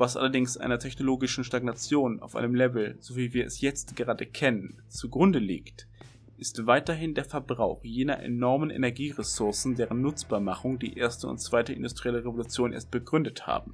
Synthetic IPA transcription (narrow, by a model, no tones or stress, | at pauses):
v̥asʔa̰lɐdɪŋsʔa̰ɪnɐtʰɛçnoloːɡɪʃn̩ʃtaɡnat͡sjoːna̰ʊfʔa̰ɪnəmlɛvl̩zoviːviːɐɛsjɛt͡stɡ̥əʁaːdəkʰɛnən | t͡suɡʁʊndəlḭːkt | ʔɪstv̥aɪtɐɦɪndeːɐfɛɐbʁaʊxjeːnɐʔḛnɔɐmənʔḛnɛɐɡiːʁesʊɐsn̩deːʁənːʊt͡sb̥aːɐmaχʊŋdḭːʔeːɐstəʊ̰ntt͡sv̥aɪtəʔɪ̰ndʊstʁ̥iɛləʁevolut͡sjoːnʔḛːɐst̚b̥əɡʁʏndətha̰ːb̚m̩